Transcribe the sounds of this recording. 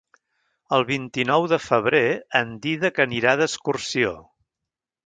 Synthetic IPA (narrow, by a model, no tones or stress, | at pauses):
əlˠβint̪inɔwðəfəβ̞ɾeənd̪iðəkəniɾaðəskursio